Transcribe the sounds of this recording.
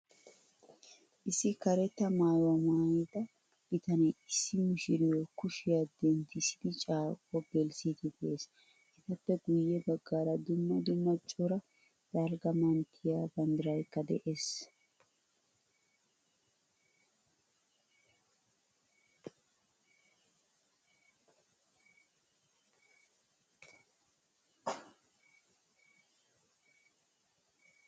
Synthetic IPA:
ʔɪsːɪkɐɾɛt̪ːɐmaːjwɐmaːjɪd̪ɐ | b̥ɪt̪ɐnɛjɪsːɪmɪʃɪɾɪjɔkʊʃɪjad̪ɛnt̪ːɪsɪd̪ɪt͡ʃʼaːkʼːɔb̥ɛlsit̪ɪd̪ɛʔeːs | ɛt̪ɐpːɛɡʊjːɛbɐɡːaːɾɐd̪ʊmːɐd̪ʊmːɐt͡ʃʼːɔɾɐ | d̪̥ɐɾɡɐmɐnt̪ʰɪjaːbɐnd̪ɪɾɐjkːɐd̪ɛ̰ʔe̞ːs

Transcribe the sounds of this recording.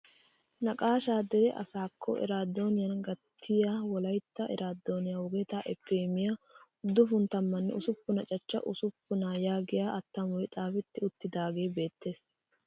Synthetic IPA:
nɐkʼaːʃaːd̪ɛɾɛʔɐ̰saːkʰːɔ̰ʔɛ̰ɾaːd̪ːo̞ːnɪjɐnɡɐt̪ʰːɪjaːwɔlɐjt̪ːɐʔɛ̰ɾʔaːd̪ːo̞ːnɪjawʊɡet̪aʔɛpːeːmɪjaʊd̪ːʊfʊnt̪ɐmːɐnːɛ̰ʊsʊpːʊnɐt͡ʃʼɐt͡ʃːɐ̰ʔʊsʊpːʊnajaːɡɪjaːʔɐt̪ːɐmɔjt̪ʼaːfɛt̪ːɪʊt̪ːɪd̪aːɡe̞ːbe̞ːt̪ːe̞ːs

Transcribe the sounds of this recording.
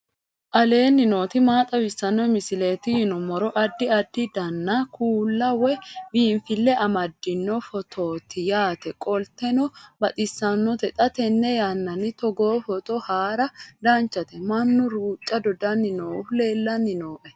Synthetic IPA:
ʔɐle̞ːnːɪno̞ːt̪ɪmaːt̪ʼɐwɪsːɐnːɔmɪsɪle̞ːt̪ɪjɪnɔmɔɾɔʔɐd̪ːɪɐd̪ːɪd̪ɐnːɐkʰuːlːɐwɛbiːnfɪlːɛʔɐmɐd̪ːɪnːɔfɔt̪ʰoːt̪ɪjaːt̪ɛkʼɔlt̪ɛnɔbɐt̪ʼɪsːɐnːɔt̪ɛt̪ʼɐt̪ɛnːɛjanːɐnɪt̪ɔɡoːfɔt̪ɔhaːɾɐd̪ɐnt͡ʃːɐt̪ɛmɐnːʊɾuːt͡ʃʼːɐd̪ɔd̪ɐnːɪnoːle̞ːlːɐnːɪnoːʔɛ

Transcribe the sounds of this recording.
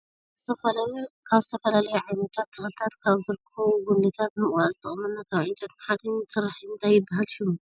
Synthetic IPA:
zɨt̪ʰɐfɐlajukʰaβzɨt̪ʰɐfɐlalɐjuʕajnɐt̪ʰat̪ʰːɨxlɨt̪ʰat̪kʰaβzɨɾkʰɐβuɡʊnd̪ɨt̪ʰat̪̚nɨmwazɨt̪ʰʼɨχʼmɐnːakʰaβʕɪnt͡ʃʼɐt̪maħat̪ʰɨnsɨrːaħiɨnt̪ʰajːɪbːaɦalʃum

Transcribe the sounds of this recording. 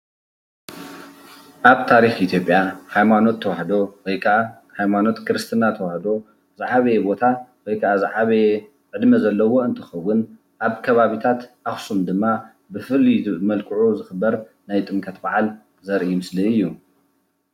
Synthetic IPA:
ʔaβt̪ʰaɾixʔit̪ʰjo̞pʼːjahajmano̞t̪ʰːɐwahd̪o̞wɔjkʰɐʔa | hajmano̞t̪kʰɾɨst̪ʰɨnat̪ʰɐwahd̪o̞ | zaʕaβebo̞t̪ʰawɔjkʰɐʔazaʕaβe | ʕɨd̪mɐzɐlːɐwo̞ɨnt̪ʰɨxɐwːʊn | ʔaβkʰɐβaβit̪ʰat̪ʔaxsumd̪ɨmːa | bɨfɨlimɐlkʰɨʕuzɨxɨbːɐɾ | najt̪ʼɨŋkʰʼɐt̪baʕal | zɐɾʔimɨsliɨjːu

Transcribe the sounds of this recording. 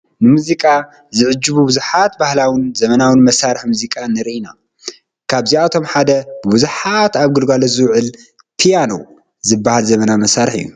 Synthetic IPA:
nɨmuzikʼa | zɨʕɨd͡ʒːɨβubɨzuħat̪̚bahlawinzɐmɐnawɨnmɐsaɾɨħmuzikʼanɨɾʔina | kʰaβziat̪ʰo̞mħad̪ɐbɨbuzuħat̪aβɡɨlɡalozɨwʕɨl | pʰijano̰w | zɨbːahalzɐmɐnamɐsaɾɨħɨ̰jːṵ

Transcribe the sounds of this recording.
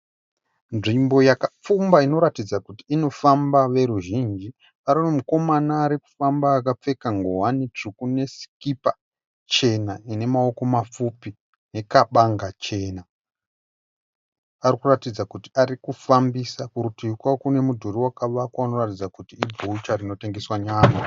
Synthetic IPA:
nʐimbo̞jakap͡fumbaino̞ɾatid͡zakutiːno̞fambaʋe̞ɾuʒind͡ʒi | ʋaɾinemuko̞manaːɾiku̥fambaːkap͡fe̞kaŋɡoɦwanit͡ʂukune̞si̥kipa | t͡ʃe̞naine̞mao̞ko̞mafupi | ne̞kaɓaŋɡat͡ʃe̞ːna | ʋarikuratid͡zakutiarikufambisakuɾutikwakune̞mudʱuriwakaʋakwaano̞ratid͡zakutiib͡vout͡ʃarino̞te̞ŋɡe̞swaɲaːna

